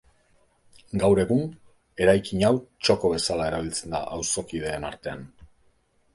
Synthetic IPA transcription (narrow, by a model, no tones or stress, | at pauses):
ɡawɾe̞ɣun | e̞ɾajkiɲawt͡ʃo̞ko̞β̞e̞salae̞ɾaβ̞ilt͡se̞nd̪a̰ʔawso̞kið̞e̞ːnaɾt̪e̞a̰n